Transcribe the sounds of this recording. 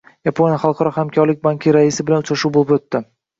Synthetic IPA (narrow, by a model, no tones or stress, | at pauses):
japʰo̞nʲjaχɑlˠqʰɑɾɒhamkʲʰɒɾlɪk̚ʲbaŋkʲʰɪɾaɪsɪbɪlanʊt͡ʃɾaʃuwbolɪpot̪ːɪ